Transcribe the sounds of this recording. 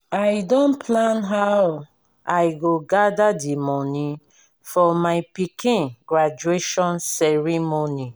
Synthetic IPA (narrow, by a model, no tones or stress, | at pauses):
ajdõnpʰlãnɦaw | ajɡoɡadadimɔnĩ | fɔmaɪpikʰĩnɡɹad͡ʒueʃɔ̃nsɛɹimoni